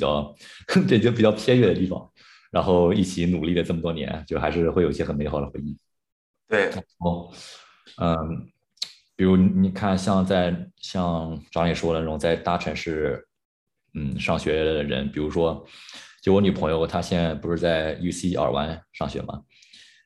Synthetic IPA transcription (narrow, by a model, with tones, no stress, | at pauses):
pi˨˩t͡ɕjɑ˥˧ʊpjɛ˥˩˥t͡ɕpi˨˩t͡ɕjɑ˥˧ʊpʰjɛ˥ɥɛ˥˩d̪ə˩t̪̬i˥˩fɑ̰˨˩ŋ | ɻa˧˥nxo˥˧ʊi˥˩t͡ɕʰi˧˥nu˨˩li˥˩lə˩ʈ͡ʂɤ˥˩mə˩t̪wɔ˥njɛ̰˧˥nt͡ɕjo˥˧xa˧˥ʂɻ̩˥˧xwe˥˩ɪo˨˩i˧˩ɕə˨˩nme˧˥ɪxɑ˨˩ʊd̪ə˦xwe˧˥ɪi˥˩ | t̪we˥˩ɪɻa˧˥nxo˥˩ʊ | ə˥˩ | pi˨˩ɻu˧˥ni˧˩ni˨˩kʰa˥˩nɕjɑ˥˧ŋt͡sa˥˧ɪɕjɑ˥˧ŋʈ͡ʂɑ˧˥ŋlɛ˨˩ʂwɔ˥˩ə˧na˥˩ʊ˧˥ŋt͡sa˥˩ɪt̪a˥ʈ͡ʂʰə˧˥nʂɻ̩˥˩ | n̩˥˩ʂɑ˥˩ŋɕɥɛ˧˥d̪ə˧˩ɻə̰˧˥npi˨˩ɻu˧˥ʂwɔ˥t͡ɕjo˥˩˧ʊwɔ˧˥ny˨˩pʰɤ˧˥ŋjo˥˧ʊt̪ʰa˥ɕjɛ˥˧na˥˩ɪpu˧˥ʂɻ̩˥˧t͡sa˥˩ɪju˥si˥ʔa̰˞˨˩wa̰˧˥nʂɑ˥˩ŋɕɥɛ̰˧˥mɐ̰˩